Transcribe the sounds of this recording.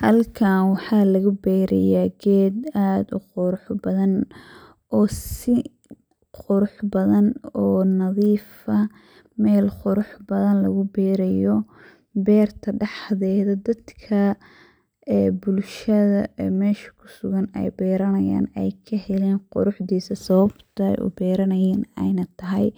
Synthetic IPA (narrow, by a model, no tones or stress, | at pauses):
hɐlkʰaːnwɑħɑːlɐɣʊbɛːɾɛ̰jaːɡɛːd̪aːd̪ʊqʊɾʊħbɐðɐn | ʔɔːsɪ | qʊɾʊħbɐðɐnɔːnɐðiːfɐ | mɛːlqʊɾʊħbɐðɐnlɐɣʊbɛːɾɛjɔ | bɛːrt̪ʰɐɖɑħðɛːðɐd̪ɐd̪kʰɐ | ɛːbʊlʃɐðɐːmɛːʃɐ̥kʰʊ̥sʊɣɐnɛ̰jbɛːɾɐnɐja̰ːnɛjkʰɐhɛlɛːnqʊ̰ɾʊħd̪iːsɐsɐβɐbt̪ʰɐɛ̰jʔʊ̰bɛːɾɐnɐjɛːnɛ̰jnɐt̪ʰɐɦɛj